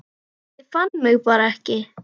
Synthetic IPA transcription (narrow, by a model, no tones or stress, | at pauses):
ɪfanməwpaɾɛhcɪ